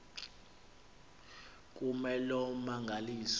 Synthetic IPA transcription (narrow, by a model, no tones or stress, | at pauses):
k̬ʼumɛlɔmaŋɡʱaliːs